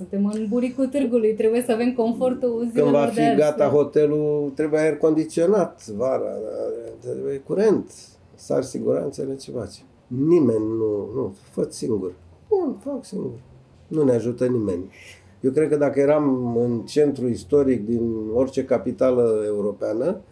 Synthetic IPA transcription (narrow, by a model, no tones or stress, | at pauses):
sɨnt̪e̞mɨnbuɾikut̪ɨrɡulujt̪ɾebuje̞səave̞mko̞ɱfo̞rt̪uuzɨnd̪vafiɡat̪aɦo̞t̪e̞lut̪ɾe̞bujaerko̞nd̪it̪sio̞nat̪vaɾa̰t̪ebujekuɾe̞nt̪ | sa̰rsiɡuɾa̰nt̪səlet͡ʃevat͡ʃe̥ | nime̞nʲnunufət̪siŋɡur | bunfaksiŋɡur | nuneaʒut̪ənime̞nʲ | jewkɾed̪̚kəd̪akəje̞ɾamɨnt͡ʃe̞nt̪ɾuist̪o̞ɾik̚d̪ino̞rʲt͡ʃe̞kapit̪aləe̞uɾo̞peanə